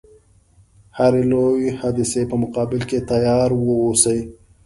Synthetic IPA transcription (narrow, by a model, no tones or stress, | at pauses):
haɾelowihad̪ɪsepəmʊqɑːbɪlket̪ajɑːɾwəosəj